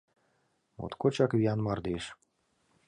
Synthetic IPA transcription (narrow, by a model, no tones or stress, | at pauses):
mo̰t̪kot͡ɕɑkβiɑnmɑrd̪eʃ